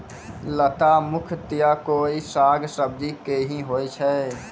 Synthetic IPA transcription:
lət̪amʊkʰt̪ɪjakoːisaːɡsəb̚d̪ʱikeɦĩɦoːet͡ʃʰɛ

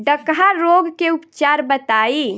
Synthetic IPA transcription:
ɖəkɦaɾoɡkeupt͡ʃaɾbət̪ai

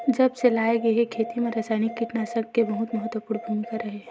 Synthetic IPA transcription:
d͡ʒɐbselaːeɡeɦekʰeːt̪imẽɾasaːɪnikːiʈnasəɡkebɐɦʊt̪mɐɦət̪wəpuːɽbʱənkaɾɐɦeɦɛ̃

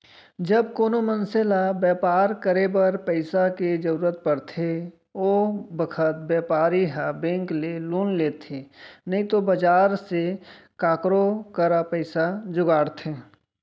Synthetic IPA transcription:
d͡ʒəbkoːnomənselabɛːpaːɾkəɾebəɾpəɪsaked͡ʒəɾuːɾət̪̚pəɽt̪ʰe | obəkʰət̪̚bɛːpaːɾiɦabẽːŋkleluːnleːt̪ʰenəɦĩt̪obəd͡ʒaːɾse | kaːkɾokəɾapəɪsad͡ʒʊɡaːɽt̪ʰeː

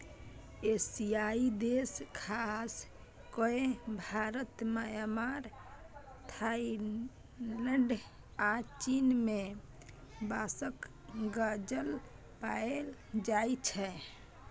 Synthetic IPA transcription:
esiaid̪eskʰas | koebʱaɾət̪majmaɾ | t̪ʰa | ləɳɖ | at͡ʃinme | basək | ɡad͡ʒəl | paeld͡ʒajt͡ʃʰɛ

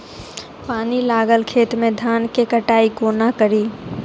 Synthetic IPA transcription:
paːnilaːɡəlkʰeːt̪mẽd̪ʱaːnkekəʈaːiɡoːnakəɾiː

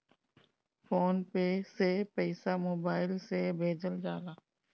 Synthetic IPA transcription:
foːnpesepɛɪsamoːbaːɪlsebʱeːd͡ʒəld͡ʒaːlaː

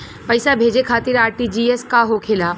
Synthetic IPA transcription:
pɐɪsabʱeːd͡ʒekʰaːt̪ɪɾaːɾʈid͡ʒiːeskaɦokʰeːlaː

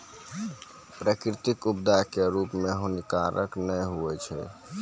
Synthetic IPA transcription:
pɾəkɾit̪ikubd̪akeɾupmeɦonikaɾəknəjɦuɛt͡ʃʰɛ̰

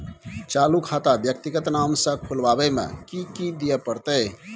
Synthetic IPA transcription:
t͡ʃalukʰat̪abjək̚t̪iɡət̪namsə̃kʰulbabemḛ̃kikid̪ijepəɾt̪əj

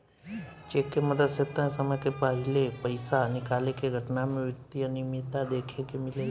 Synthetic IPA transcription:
t͡ʃekeməd̪əset̪ːənsəməkepaɦilepəjsanikalekeɡʱəʈnamẽʋut̪ːijənimit̪ad̪ekʰekemile

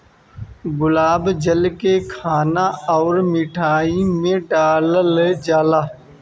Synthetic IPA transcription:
ɡʊlaːbd͡ʒəlkeːkʰaːnaːɔːɾmiːʈʰaːiːmẽːɖaːləld͡ʒaːlaː

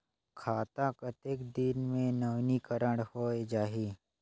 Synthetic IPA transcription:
kʰaːt̪akət̪eːkd̪ɪnmẽnəʋnikəɾəɽhoːed͡ʒaːɦiː

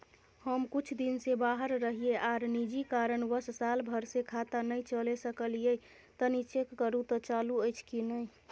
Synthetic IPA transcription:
həmkut͡ʃʰd̪insebaɦəɾːəɦieʔaɾnid͡ʒikaɾənʋəssalbʱəɾsekʰat̪anəjt͡ʃəlesəkəlije | t̪ənit͡ʃekːəɾut̪ɔt͡ʃaluəɪt͡ʃʰkinəi

